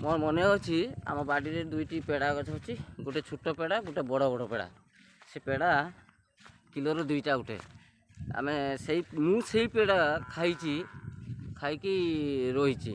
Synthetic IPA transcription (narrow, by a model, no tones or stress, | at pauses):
moɾmɔneɦɔt͡ʃʰia̰mɔɾbaɖiɾed̪ujʈipeɽakɔt͡ʃʰɔɦɔt͡ʃʰiɡoʈet͡ʃʰuʈɔpeɽaɡoʈebɔɽɔbɔɽɔpeɽa̰ | sepeɽa | kilɔɾɔd̪ujʈaɡuʈḛ | a̰mesejmũseɦjpeɽakʰajt͡ʃʰi | kʰajkijɾɔɦit͡ʃʰḭ